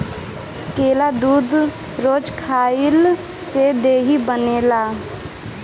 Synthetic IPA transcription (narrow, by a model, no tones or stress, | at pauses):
keːlad̪uːd̪ʱ | ɾoːd͡ʒkʰaːɪl | sed̪eːɦibəneːlaː